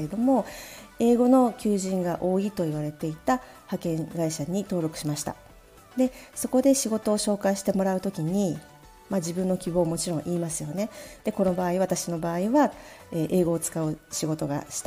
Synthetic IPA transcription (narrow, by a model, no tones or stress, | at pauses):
ed̪o̞mo̞ | e̞ːɡo̞no̞kʲɨːʑĩŋɡaʔo̞ːit̪o̞iβaɾe̞t̪e̞it̪ahakẽ̞ŋɡaiɕaɲ̟it̪o̞ːɾo̞kɯ̟̥ɕimaɕi̥t̪a̰ | d̪e̞so̞ko̞d̪e̞ɕiɡo̞t̪o̞ːɕo̞ːkaiɕi̥t̪e̞mo̞ɾaɯ̟t̪o̞kʲiɲ̟i | mad͡ʑibɯ̟̃nːo̞kʲibo̞ːmo̞t͡ɕiɾõ̞ɰ̃ʔiːmasɨjo̞ne̞d̪̥e̞ko̞no̞baːiβat̪aɕino̞baːiβaeʔe̞ːɡo̞ːt͡sɨ̥kaɯ̟ɕiɡo̞t̪o̞ɡa̰ɕi̥t̪